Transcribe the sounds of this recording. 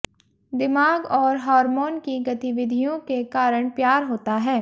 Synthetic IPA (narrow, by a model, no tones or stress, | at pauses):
d̪ɪmaːɡɔːɾɦaːɾmoːnkiɡɐt̪ɪʋɪd̪ʱijõkekaːɾəɽ̃pjaːɾɦoːt̪aɦɛː